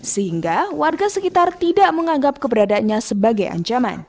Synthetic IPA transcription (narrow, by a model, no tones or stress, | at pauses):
səhiŋɡawarɡasəkit̪art̪idaʔməŋaŋɡap̚kəbəɾadanɲasəbaɡaja̰ɲt͡ʃama̰n